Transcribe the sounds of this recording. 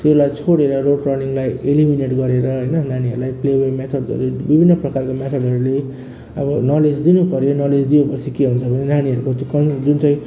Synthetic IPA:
t̪eulajt͡sʰoɽeɾʌroɽrʌrniŋlajelimineʈɡʌɾeɾʌɦʌjnʌnaniɦʌɾulajplebemet̪ʰʌɖd͡zʌ̰ɾubibʱinːʌprʌkarkomet̪ʰʌdʌɾule | ʌ̰bʌnʌled͡zd̪inupʌɾjonʌled͡zd̪iepʌt͡sʰikeɦunt͡sʰʌbʱʌnenaniɦʌɾukot̪okʌd͡zunt͡sãĩ

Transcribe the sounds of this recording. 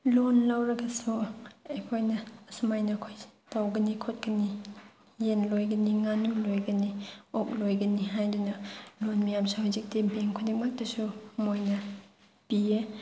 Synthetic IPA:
lonlawɾɐɡɐsuejkʰojnɐɐsumajnɐkʰojtawɡɐnikʰot̚kɐni | jenlojɡɐniŋanulojɡɐniok̚lojɡɐniɦajdunɐlonmijamsuhuzik̚dibeŋkʰodik̚mak̚tɐsumojnɐ | pie

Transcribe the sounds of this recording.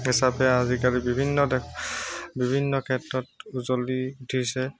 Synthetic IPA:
ɦisapɛazikaɹibibʱinːɔdɛ | bibʱinːɔkʰɛtɹɔtuzoliutʰisɛ

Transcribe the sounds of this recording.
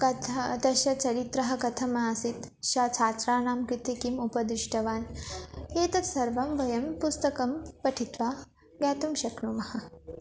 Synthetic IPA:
kɐt̪ʰɐd̪ɐʃɐt͡ʃɐɾit̪ɾɐɦɐ̆kɐt̪ʰɐmɐaːsit̪ | ʃɐt͡ʃʰaːt͡ʃɾaːnaːmkɾit̪ikimupɐd̪ɾiʃʈɐʋaːn | eːt̪ɐt̪sɐɾʋɐmʋɐjɐmpust̪ɐkɐmpɐʈʰit̪ʋaː | ɡɛːt̪umʃɐknumɐhɐ̆

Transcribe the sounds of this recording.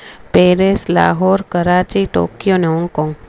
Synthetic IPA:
peːɾesla̰ːɦoːɾkəɾaːt͡ʃiʈo̰ːkijoneɔ̃ŋkoŋ

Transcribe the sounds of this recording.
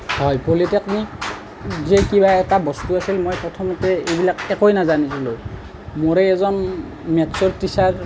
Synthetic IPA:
hɔjpolitɛkni | zɛkibaɛtabɔstuasilmojpɹɔtʰɔmɔtɛejbilakɛkojnazanisilo | moɹɛɛzɔn | mɛtsɔɹtisaɹ

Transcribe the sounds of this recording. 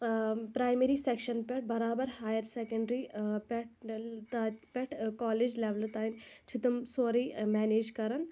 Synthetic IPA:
pɾaːjmeɾiseːkʃɐnpʲɐʈ̚bɐɾaːbɐɾhaːjəɾsekɐ̃ɳɖɾipʈt̪apʲɛʈʰkaːleːd͡ʒleʋlt̪aːint͡ʃʰɪt̪ɐmsoːɾiːmɛːneːd͡ʒkɐɾɐn

